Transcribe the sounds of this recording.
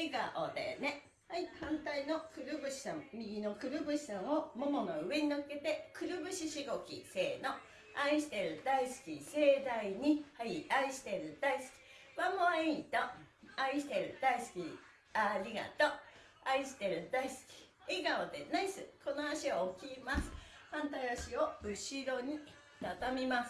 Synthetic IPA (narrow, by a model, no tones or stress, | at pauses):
eɡa̰ʔo̰d̪ḛne̞ | haihãnt̪ainokɯ̟ɾɯ̟bɯ̟ɕi̥sãmmʲiɡʲino̞kɯ̟ɾɯ̟bɯ̟ɕi̥sãɰ̃omomonoɯ̟e̞ɲ̟ioke̞t̪e̞kɯ̟ɾɯ̟bɯ̟ɕiɕiɡo̞kʲḭse̞ːno̞ | aiɕi̥t̪e̞ɾɯ̟d̪aisɨ̥kʲise̞ːd̪aiɲ̟ihaiaiɕi̥t̪e̞ɾɯ̟d̪̥aisɨ̥kʲi̥ | βamoiit̪oaiɕi̥t̪eɾɯ̟d̪aisɨ̥kʲi | aɾʲiɡa̰t̪o̞ | aiɕi̥t̪eɾɯ̟d̪aisɨ̥kʲi̥ | iɡaod̪e̞naisɨko̞noaɕiokʲimasɨ̥hãnt̪aiaɕio̞ɯ̟ɕiɾo̞ɲ̟i | t̪at̪amʲimasɨ̥